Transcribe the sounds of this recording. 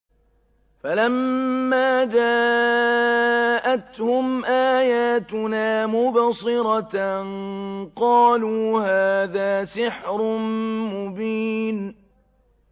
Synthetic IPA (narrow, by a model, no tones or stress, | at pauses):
falamːaːd͡ʒaː | ʔat̪hʊmʔaːjaːt̪ʊnaːmʊbsˤɨɾɑ | qɑːluːhaːðaːsɪħɾʊnmʊbiːn